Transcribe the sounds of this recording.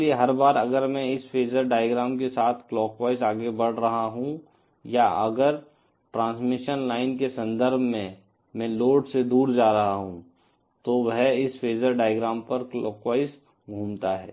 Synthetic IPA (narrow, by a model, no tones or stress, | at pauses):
lieɦɐɾbaːɾɐɡəɾmɛ̃ɪsfeːd͡ʒəɾɖaːɪjɡɾaːmkesaːt̪ʰklɔːkʋaːɪsaːɡebɐɽ̤ɾɐɦaɦũ | jaɐ̰ɡəɾ | ʈɾãːnsmɪʃənlaːɪnkesɐ̃nd̪ʱəɾbʱmẽ | mɛ̃loːɖsed̪uːɾd͡ʒaːɾɐɦaɦũ | t̪oʋəɦɪsfeːd͡ʒəɾɖaːjɡɾaːmpɐɾklɔːkwaːɪs | ɡʱuːmt̪aɦɛ̰ː